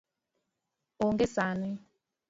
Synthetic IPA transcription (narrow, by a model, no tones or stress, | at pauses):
oŋɡesanɪ